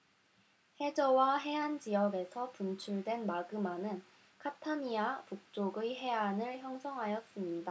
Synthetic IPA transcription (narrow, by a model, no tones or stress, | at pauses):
he̞d͡ʑʌwaɦe̞ɦand͡ʑijʌɡe̞sʰʌpunt͡ɕʰuɭdwe̞nmaɡɯmanɯn | kʰatʰaɲiapuk̚t͡ɕ͈oɡɯɦe̞ɦanɯɭçjʌŋsʰʌŋɦajʌs͈ɯmɲida